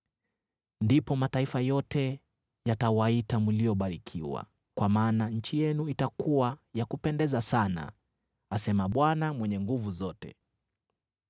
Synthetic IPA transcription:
ndipɔmataifajɔtɛ | jatawaitamulijɔɓaɾikʰiwa̰ | kwʔamaːnaɲ̩t͡ʃijɛnuitakuwajakupɛndɛzasana̰ | asɛmaɓwanamwɛɲɛŋɡuvuzɔtɛ̰

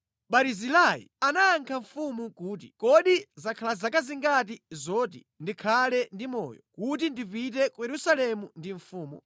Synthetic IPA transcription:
ɓaɾizilajḭanaːŋkʰaɱfumukuːt̬i̥kɔɗizakʰalazakaziŋɡat̬izɔːtḭ | ndikʰalɛndimɔ̰jɔ̰kut̬indipitɛkujɛɾusalɛmundiɱfuːmṵ

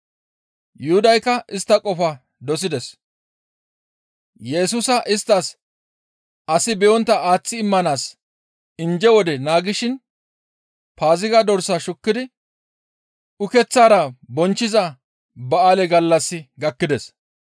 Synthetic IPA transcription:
jʊhʊd̪ɐjkːɐʔɪst̪ːɐkʼɔfɐ | d̪ɔs̬ɪd̪ɛs | jɛs̬ʊsɐʔɪst̪ːɐs | ʔɐsɪbɛjɔnt̪ːɐaːt͡sːɪːmːɐnaːs | ɪnd͡ʒɛwɔd̪ɛnaːɡɪʃɪn | paːzɪɡɐd̪ɔɾsɐʃʊkːɪd̪ɪ | ʊkɛt͡sːaːɾɐbɔnt͡ʃːɪzɐ | bɐaːlɛɡɐlːɐsːɪɡɐkːɪd̪ɛs

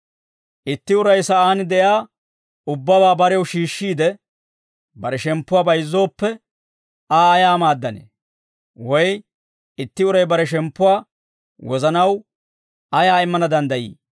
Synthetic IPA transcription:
ʔɪt̪ːɪʊɾɐjsɐʔaːnd̪ɛjaː | ʊbːɐbaːbɐɾɛwʃiːʃːiːd̪ɛ | bɐɾɛʃɛmpːʊwaːbɐjzːo̞ːpːɛ | aːjaːmaːd̪ːɐnḛː | wɔj | ɪt̪ːɪʊɾɐjbɐɾɛʃ̬ɛmpːʊwaː | wɔzɐnɐw | ɐjaːɪmːɐnɐd̪ɐnd̪ɐjḭː

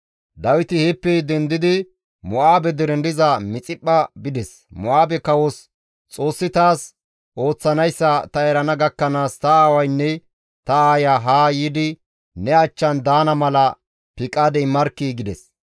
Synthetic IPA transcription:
d̪ɐwɪt̪ɪhɛpːɛjd̪ɛnd̪ɪd̪ɪ | mɔʔaːbɛd̪ɪɾɛnd̪ɪzɐmɪt͡sʼɪpːɐbɪd̪ɛs | mɔʔaːbɛkɐwɔs | t͡sʼo̞ːsːɪt̪aːs | ʔo̞ːt͡sːɐnɐjsːɐt̪ɐɛɾɐnɐɡɐkːɐnaːst̪ɐaːwɐjnːɛ | t̪ɐaːjaɦaːjɪd̪ɪ | nɛɐt͡ʃːɐnd̪aːnɐmɐlɐ | pɪkʼaːd̪ɛmɐɾkːiːɡɪd̪ɛs

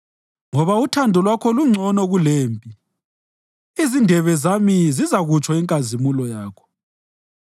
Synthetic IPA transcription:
ŋɔβautʰandʱɔlwakʰɔluŋ͡ǀʱɔnɔɣuleːmpʼi | izindʱɛβɛzamizizaɣut͡ʃʰʼwɔiŋkʼazimulɔjaːkʰɔ̥

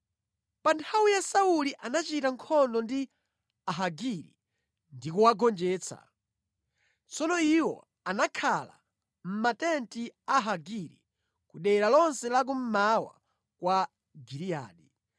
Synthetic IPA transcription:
pantʰawijasauliʔanat͡ʃitaŋkʰɔndɔndi | aɦaɡiɾḭ | ndikuwaɡɔnd͡ʒɛːt͡sʰa̰ | t͡sɔnɔiwɔ̰ | anakʰala̰ | m̩matɛntiaɦaɡiɾḭ | kuɗɛɾalɔnsɛlak̬um̩mawa̰ | kwa | ɡiɾia̰ːɗi

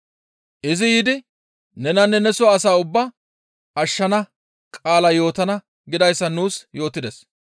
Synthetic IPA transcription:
ʔɪzɪjiːd̪ɪ | nɛnɐnːɛnɛsʊaːsaːʊbːɐ | ɐʃːɐnɐ | kʼaːlɐjo̞ːt̪ɐnɐ | ɡɪd̪ɐjsːɐnuːsjo̞ːt̪ːɪd̪ɛs

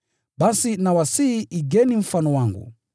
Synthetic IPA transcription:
ɓasinawasiʔiɡɛnim̩fanɔwaŋɡṵ

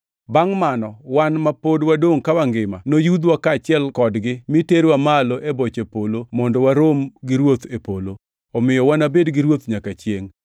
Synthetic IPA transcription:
baŋmanɔwanmapodwadoŋkawaŋɡɪma̰nojud̪wakat͡ʃɪɛlkɔdɡɪmiteɾwamaloʔebot͡ʃepolomɔndɔwaɾomɡɪɾwot̪epolo | ɔmɪjɔwanabedɡɪɾwot̪ɲakat͡ʃjeŋ

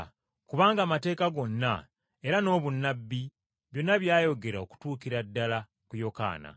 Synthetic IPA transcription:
kuβaːŋɡaːmate̞ːkaɡo̞nːa | e̞ɾano̞ːβunːabːi | βjo̞nːaβjaːjo̞ɡe̞ɾaoku̥tuːkiɾadːala | kujo̞ka̰ːna̰

